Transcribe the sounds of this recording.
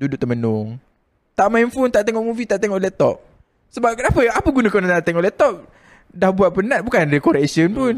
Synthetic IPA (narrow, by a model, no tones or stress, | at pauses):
dudʊʔ̚t̪əmənʊŋ | t̪aʔmajnfunt̪aʔt̪eŋɔʔmuvit̪aʔt̪eŋɔʔlɛt̪ɔ̰p̚ | səbap̚kənapəapəɡunəkonat̪aʔt̪eŋɔʔlɛht̪ɔp̚ | dahbuat̪̚pənat̪̚bukanɾekoɾɛksənpʊn